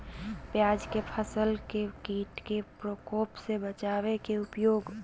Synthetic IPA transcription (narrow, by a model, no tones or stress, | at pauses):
pjaːd͡ʒkepʰəsəlkekiːʈkepɾokoːpsebət͡ʃawekeʊpjoːɡ